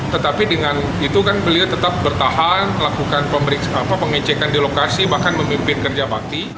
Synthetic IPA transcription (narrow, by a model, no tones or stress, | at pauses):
t̪ət̪apidəŋan | it̪ukanbəliat̪ət̪ap̚bərt̪ahanlakukanpəməɾiksapapəŋɛt͡ʃɛkandilokasibahkanməmimpɪnkərd͡ʒabak̚t̪i